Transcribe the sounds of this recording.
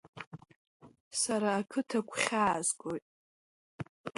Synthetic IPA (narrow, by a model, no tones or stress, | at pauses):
saɾaːkʰɨtʰakʷʰʼχʲaːzkʼojtʼ